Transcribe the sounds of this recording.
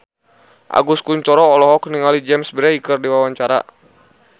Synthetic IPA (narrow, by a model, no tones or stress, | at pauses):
ʔa̰ɡuskuɲt͡ʃɔɾɔːlɔɦɔkniŋalid͡ʒɛmsbɾɛikərdiwawaɲt͡ʃaɾa̰